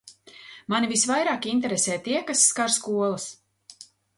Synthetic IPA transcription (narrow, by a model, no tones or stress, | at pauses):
manivisvajɾaːkʲint̪̬ɛɾesɛːt̪iɛkasːkaɾskuɔlˠas